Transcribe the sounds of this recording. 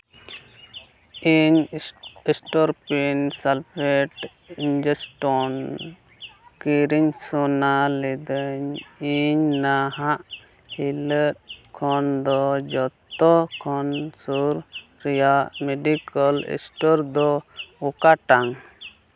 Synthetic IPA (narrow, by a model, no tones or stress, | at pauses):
iɲ | ɛsʈɔɾpinsalpʰeʈ | ind͡ʒɛsʈɔn | kiɾiɲsɔnalɛd̪əɲiɲnaɦaʔ | hiləɾkʰɔnd̪ɔd͡ʒɔt̪t̪ɔkʰɔnsuɾ | ɾijaʔmɛɖikəlɛ̰sʈɔɾd̪ɔɔkaʈaŋ